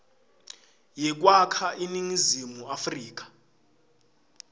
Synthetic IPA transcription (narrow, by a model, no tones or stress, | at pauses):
jɛk̬ʼwakʰaʔiniŋizimuafriːk̬ʼḁ